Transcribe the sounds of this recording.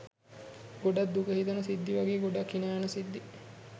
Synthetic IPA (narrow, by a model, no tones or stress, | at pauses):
ɡoɖat̪d̪ukəɦit̪ɐnɐsid̪ːiʋaɡeːɡoɖakːinaːnəsid̪ːi